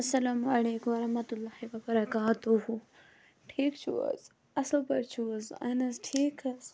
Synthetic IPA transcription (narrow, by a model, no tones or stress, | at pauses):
ɐsːɐlaːmɐleːkũɐɾɐɦmɐt̪ulːaːhiʋɐbɐɾɐkaːt̪uɦu | ʈʰiːkt͡ʃʰṵɐ̰z | ɐslpɐɾt͡ʃʰuɐzɐ̰nɐsʈʰiːkɐs